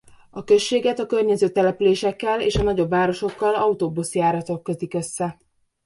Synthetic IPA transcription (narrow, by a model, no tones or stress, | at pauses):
ɒkø̞ʃːeːɡɛt̪ɒkø̞rɲɛzøːt̪ɛlɛpyleːʃɛkːɛleːʃɒnɒɟo̞bvaːɾo̞ʃo̞kːɒlɒut̪oːbusjaːɾɒt̪o̞kːøt̪ikø̞sːɛ